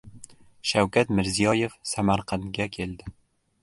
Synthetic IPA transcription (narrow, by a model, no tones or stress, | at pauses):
ʃawkʲat̪mɪɾzijɒje̞fsamaɾqʰɑnɡʲakʲʰe̞lˠd̪ɪ